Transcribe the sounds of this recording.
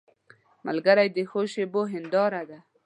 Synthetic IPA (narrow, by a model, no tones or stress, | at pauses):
ma̰lɡaɾajd̪əxoʃeboɦɪnd̪ɑɾad̪a